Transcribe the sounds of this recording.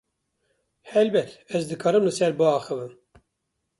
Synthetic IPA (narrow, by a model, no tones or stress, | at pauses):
hɛlbɛt̪ɛzd̪ɨkʰɑːɾɨmlɨsɛɾbɨɑːxɨvɨm